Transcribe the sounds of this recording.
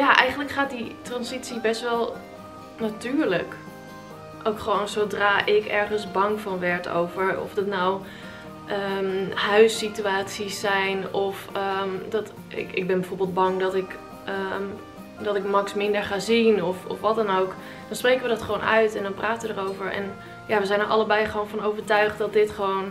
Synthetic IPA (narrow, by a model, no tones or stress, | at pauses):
jaʔɛjχənləkχaːt̚ditrɑnsitsibɛstʋɛlˠ | natyːɹlək | ʔowkχəʋownsodraːʔɪkɛɹχənzbɑŋvɑnʋɛɹtʰo̰wvəɹɔ̰fdətnaw | ʔəmhœɥsityaːtsisːɛjnɔfəmdɑt | ɪ̰kɪ̰ɡ̚bɛnbɛfoːɹbɪːlˠd̚bɑŋdɑtɪk | ə | dɑtɪkmɑksmɪndəɹχaːzinɔfɔ̰fʋɑtɛnowk | d̥ɑnsprejkəʋədɑtχəʋownœ̰ɥtɛndɑnpraːtənʋədərowvəɹɛ̰n | jaːʋəzɛjnəɹʔɑ̰ləbɛjχəʋownvɔnowvəɹtœɥχt̚dɑdɪtχəʋown